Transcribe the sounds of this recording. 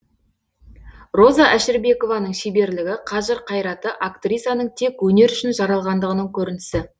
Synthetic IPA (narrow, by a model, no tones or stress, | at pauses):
ro̞zɑʔæʃɪɾbe̞ko̞vɑnəɴʃebe̞ɾlɪɡʲɪqʰɑʒəɾqʰɑjɾɑt̪əʔakt̪rʲijsɑnəɴt̪ʰe̞kwɵne̞ɾʏʃɪnʒɑɾɑlˠʁɑnd̪əʁənəɴkʲʰɵɾɪnɪsɪ